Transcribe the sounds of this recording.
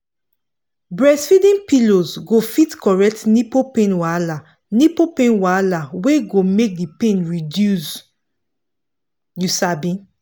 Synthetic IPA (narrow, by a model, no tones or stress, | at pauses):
bɹɛsfidĩnpilozɡofitkɔɹɛk̚tnipopẽnwala | nipopẽnwalaweɡomek̚dipẽnɹidjus | jusabĩ